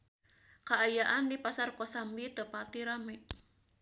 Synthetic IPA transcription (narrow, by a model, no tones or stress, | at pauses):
kaːjaʔandipasarkosambit̪əpat̪iɾamɛʔ